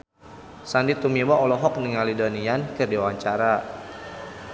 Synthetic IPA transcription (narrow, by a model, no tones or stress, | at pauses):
sandit̪umiwaʔɔlɔɦɔk̚niŋalidoniankərdewaɲt͡ʃaɾa